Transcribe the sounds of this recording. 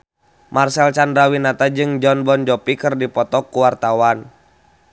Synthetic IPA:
marsɛlt͡ʃandɾawinat̪ad͡ʒɨŋd͡ʒɔnbɔnd͡ʒɔpikɨrdipɔt̪ɔkːuwart̪awan

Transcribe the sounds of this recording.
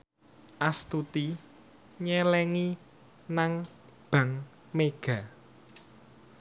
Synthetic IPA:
ʔast̪ut̪i | ɲɛlɛŋi | naŋ | b̥ä̤ŋ | meɡ̥ä̤

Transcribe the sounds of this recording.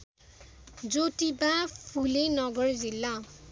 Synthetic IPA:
d͡zotibapʰulenʌɡʌrd͡zilːa

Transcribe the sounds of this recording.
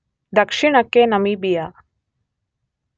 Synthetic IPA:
d̪ɐkʂiɳ̃ɐkːenɐmibija

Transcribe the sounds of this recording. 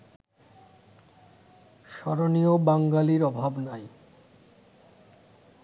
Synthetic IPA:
ʃɔɾoniobaŋɡaliɾɔbʱabnaj

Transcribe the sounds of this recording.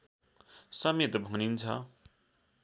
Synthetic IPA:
sʌmet̪bʱunint͡sʰʌ̰

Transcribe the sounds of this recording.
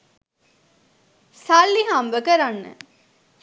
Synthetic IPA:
salːiɦamʋəkəɾanːə̰

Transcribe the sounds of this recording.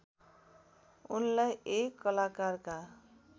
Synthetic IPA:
unlajekːʌlakarka

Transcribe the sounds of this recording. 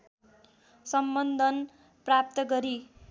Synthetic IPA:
sʌmbʌnd̪ʱʌn | prap̚t̪ʌɡʌɾi

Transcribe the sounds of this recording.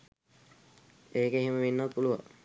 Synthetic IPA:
eːkeeɦeməʋenːəpuluʋa̰

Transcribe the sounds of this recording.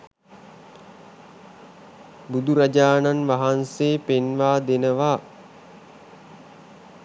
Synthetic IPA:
bud̪uɾad͡ʒaːnanʋaɦanseːpenʋaːd̪enəʋa

